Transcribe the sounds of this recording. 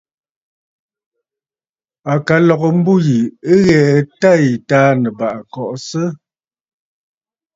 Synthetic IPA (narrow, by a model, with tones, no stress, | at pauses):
a˨ka˨lɔ˨ɣɔ˨m̩˦bu˦ji˨ə˦ɣɛ˨ta˦jtaː˦nə˨ba˨ʔkɔ˨ʔsə˦